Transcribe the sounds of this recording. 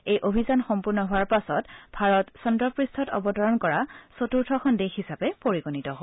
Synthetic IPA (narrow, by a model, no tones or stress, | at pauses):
ejʔobʱizanxɔmpuɹnɔɦʊaɹpasɔtbʱaɹɔtsɔndɹɔpɹistʰɔtɔ̰bɔtɔɹɔnkɔɹasotuɹtʰɔkʰɔndexisapɛpoɹiɡonitɔo